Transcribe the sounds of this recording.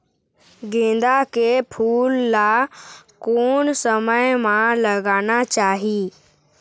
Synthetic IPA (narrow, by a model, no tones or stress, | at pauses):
ɡẽːnd̪akepʰuːlːakoːnsəməjmãləɡaːnat͡ʃaːɦiː